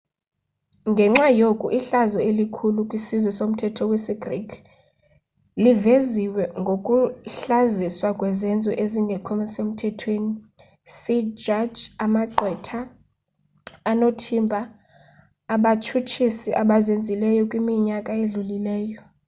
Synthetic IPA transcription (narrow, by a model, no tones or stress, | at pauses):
ŋɡʱɛŋ͡ǁajokʼuʔiɬazɔelikʰulukʼwisizwɛsom̩tʰɛtʰɔwɛsɛɡrikʰ | liveziwɛŋɡʱokʼuɬaziswakʼwɛzɛnd͡zʱʼɔʔeziŋɡʱɛkʰɔmɛsem̩tʰɛtʰweni | sid͡ʒad͡ʒamaǃwɛtʰa | notʰimbʱaː | ɓat͡ʃʰut͡ʃʰisiʔaɓazend͡zʱilɛjɔkʼwimiɲakʼaeɮulilɛːjɔ